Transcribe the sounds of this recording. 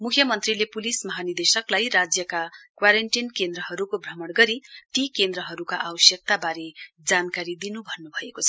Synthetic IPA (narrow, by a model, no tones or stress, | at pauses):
mukʰjʌmʌnt̪rilepulismʌɦanid̪esʌklajɾad͡zjʌkakwaɾeɳʈinkend̪rʌɦʌɾukobʱrʌmʌɽɡʌɾit̪ikend̪rʌɦʌɾukaʔabʌsjʌk̚t̪abaɾe | d͡zankaɾid̪inubʱʌnːubʱʌekot͡sʰʌ̥